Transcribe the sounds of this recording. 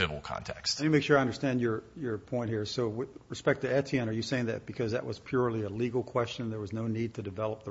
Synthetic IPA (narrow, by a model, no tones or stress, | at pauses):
ɪvl̩ˠkʰɑ̰̃ntʰɛkstjɨmeɪkʃʊɹaɪʌ̃ndə˞stæ̃ndjə˞jə˞pʰɔ̃ɪ̃nthiɹsoʊwɪðɹɨspɛk̚tɨɛtʰiɛ̃nə˞jɨseɪɪ̃ŋðɨ̰t̚b̥ɨkʰʌzðɨ̰ʔ̚wʌz̥pʰj̥ʊɹlˠiəliɡl̩ˠkʰw̥ɛst͡ʃɨ̃nðə˞wʌznoʊnid̚tʰɨdɨvɛlˠəp̚ðə